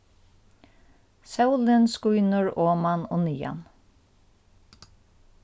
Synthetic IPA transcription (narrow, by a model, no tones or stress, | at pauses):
sawlɪnskujnəɹoːmanɔ̰ːniːa̰n